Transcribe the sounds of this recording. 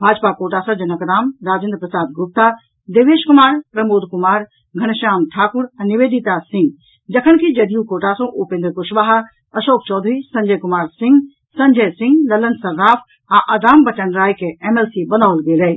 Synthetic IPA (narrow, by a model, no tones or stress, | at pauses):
bʱaːd͡ʒpakoːʈaːsɐ̃d͡ʒɐnəkɾaːmɾaːd͡ʒɪ̃nd̪̚pɾɐsaːd̪̚ɡʊp̚t̪a | d̪eːʋeːʃkʊmaːɾpɾɐmoːd̪ʱkʊmaːɾ | ɡʱɐɽ̃ʃaːmʈʰaːkʊɾɛ̃niʋeːd̪it̪asɪ̃ŋɡ | d͡ʒɐkʰəñkʰid͡ʒɐd̪ijũkoːʈaːsõʔupẽːnd̪ɾkʊʃʋaːɦa | ɐʃoːk̚t͡ʃɔːd̪ʱɾisɐ̃ɲd͡ʒəːkʊmaːɾsɪ̃ŋɡ | sɐ̃ɲd͡ʒəsɪ̃ŋɡlɐlənsɐɾːaːfʰ | ãʔɐd̪aːmbɐt͡ɕənɾaːikʰeʔemeːlsibɐnaːlɡeːlɐe